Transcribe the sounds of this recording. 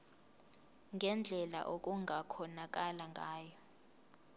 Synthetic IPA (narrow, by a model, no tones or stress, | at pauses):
ŋʱɛnd͡ɮʱɛla̰ʔok̬ʼuŋʱakʰɔnak̬ʼalaŋɡʱaːjɔ